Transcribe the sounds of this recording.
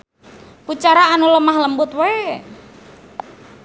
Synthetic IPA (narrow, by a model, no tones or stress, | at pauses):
put͡ʃaɾaːnuləmahləmbʊt̪we